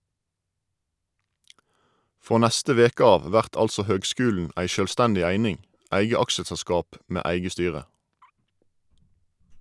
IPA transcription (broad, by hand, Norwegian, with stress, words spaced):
ˈfʁoː ˈnæstə ˈʋeːkə ˈɑːʋ ˈʋæʁt ˈɑlsɔ ˈhøːɡˌskʉːln̩ ˈʔæɪ ʃøːlˈstændɪ ˈæɪnɪŋ ˈæɪɡə ˈɑkʃəsɛˌskɑːp ˈmeː ˈæɪɡə ˈstyːʁə